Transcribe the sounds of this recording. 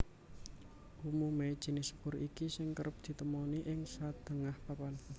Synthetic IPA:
ʔumume̥ʒ̥i̤nɪspʊrikisɪŋkəɾʊp̚d̪̥i̤t̪əmoniʔɪŋsad̪̥ə̤ŋahpapan

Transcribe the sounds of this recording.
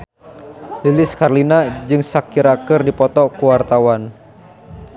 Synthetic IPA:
lilɪskarlinad͡ʒɨŋsakiɾakɨrdipɔt̪ɔkuwart̪awan

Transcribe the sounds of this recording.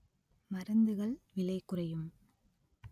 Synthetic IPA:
mɐɾɐnd̪ɯɣɐɭʋɪlɐɪkːʊrɐjɯm

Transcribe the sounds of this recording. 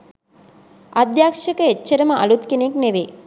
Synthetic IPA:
ʔad̪jaːkʂəkəetːʃɐɾəməʔa̰lut̪kenekneʋe

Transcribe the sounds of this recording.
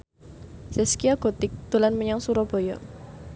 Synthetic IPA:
sɛskiaɡ̥ot̪ɪk̚d̪̥ulanməɲaŋsuɾɔb̥o̤jɔ

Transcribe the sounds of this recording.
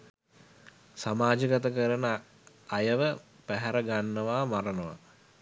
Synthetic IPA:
samaːd͡ʒəɡat̪əkəɾənə | ajəʋə | pæɦɛɾəɡanːəʋaːmaɾənəʋa̰

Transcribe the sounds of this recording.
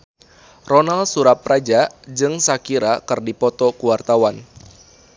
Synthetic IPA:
rɔnalsuɾap̚rad͡ʒad͡ʒɨŋsakiɾakɨrdipɔt̪ɔkuwart̪awan

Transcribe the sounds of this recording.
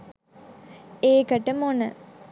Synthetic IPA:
eːkəʈəmonə

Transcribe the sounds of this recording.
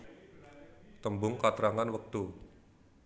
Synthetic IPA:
t̪əmbʊŋkat̪ɾaŋanwək̚t̪u

